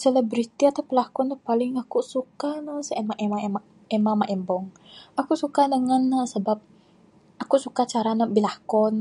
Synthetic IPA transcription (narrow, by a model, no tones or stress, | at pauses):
sələbɾit̪iat̪apəlakɔnt̪əpalɪŋakuʔsukanəsəemaʔemama | emamaʔɛmbɔŋ | akuʔsukadəŋanːəsəbap̚ | akuʔsukat͡ʃaɾanəbilahkɔn